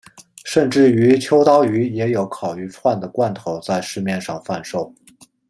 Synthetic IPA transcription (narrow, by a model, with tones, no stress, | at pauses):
ʂə˥˧nʈ͡ʂɻ̩˥˩y˧˥t͡ɕʰjo˥ʊt̪ɑ˥ʊy˧˥jɛ˧˥jo˧˥ʊkʰɑ˨˩ʊy˧˥ʈ͡ʂʰwa˥˩nd̪ə˩kwa˥˩nt̪ʰo˧˥ʊt͡sa˥˧ɪʂɻ̩˥˧mjɛ˥˧nʂɑ˥˧ŋfa˥˧nʂo˥˩ʊ